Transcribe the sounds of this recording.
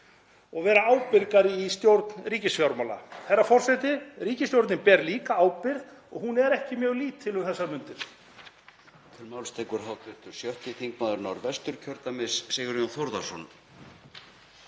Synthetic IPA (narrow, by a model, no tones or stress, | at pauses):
ɔɣvɛːɾaaːwpɪɾkaɾɪist̪jowɾt̪nriːcɪsfjawɾmala̰θejɾːafɔr̥sɛt̪ɪɾiːcɪst̪jowɾt̪nɪnpɛɾliːkaaːwpɪɾð | ɔɣɦunɛɾɛhcɪmjœːɣliːt̪ʰːɪlhʏmθɛsːaɾmʏnt̪ɪɾ̥ | t̪ʰɪlmawlst̪ʰeːjkʏɾ̥ɦawt̪vɪ̥t̪ʏɾ̥sjœht̪ɪθiŋkmaːðʏɾnawɾvɛst̪ʏɾcʰœɾt̪amɪsːɛɣʏɾjɔnθowɾðasɔn